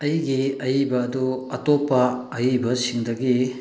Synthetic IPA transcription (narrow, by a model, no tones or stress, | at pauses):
ɐjɡiɐjibɐːduɐtopːɐɐjibɐsiŋdɐɡi